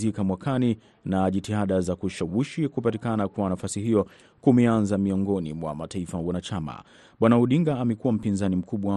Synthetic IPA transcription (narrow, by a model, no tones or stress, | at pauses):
ikamwakʰani | naʄitihaɗazakuʃawiʃikupatikanakwanafasiɦijɔ | kumɛanzamiɔŋɡɔnimwa̰mataifawanat͡ʃama̰ | ɓwanauɗiŋɡaːmɛkuwam̩pinzanim̩kʰuɓwa